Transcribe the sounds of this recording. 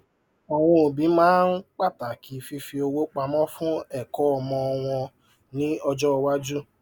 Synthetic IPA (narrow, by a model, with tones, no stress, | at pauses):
ɔ˨w̃ɔ̃˧o˨bĩ˨˦mãː˦n̩˦k͡pa˦˨ta˨ki˨˦fi˧fi˧o˧wo˦k͡pa˧mɔ̃˦fũ˦ɛ˦˨kɔ˨˦ɔ˧mɔ̃˧ɔ˧w̃ɔ̃˧ | nĩ˦ɔ˧d͡ʒɔ˦˧wa˦d͡ʒu˦